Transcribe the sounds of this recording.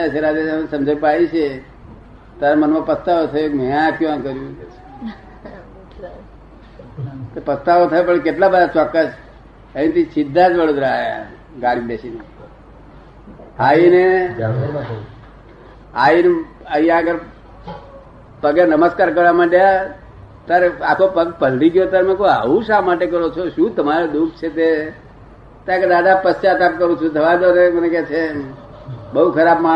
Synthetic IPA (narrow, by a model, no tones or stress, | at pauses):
əseɾad̪esamsəmd͡ʒəjpaiɕe | t̪aɾmənmapəst̪aʋot̪ʰajokmiakjũãkəɾju | t̪əɾpəst̪aʋot̪ʰajopəɳk̬eʈlabədat͡sɔkːəs | əĩt̪isid̪ʱːat͡sʋəɽod̪ɾəaja̰ | ɡaɽibeɕine | aine | ain | əɦĩjãəɡəɾ | pəɡenəməskaɾk̬əɾʋamãɖja | t̪aɾakʰopəɡpəlɖiɡjot̪aɾmẽkoa̰ɦuʃamaʈekəɾot͡ʃʰoʃũt̪əmaɾed̪ukt͡ʃʰet̪e | t̪ãked̪ad̪apəst͡ʃat̪ap̚kəɾũt͡ʃʰũt̪ʰəʋad̪onemənekɛt͡ʃʰe | bəɦukʰəɾabmã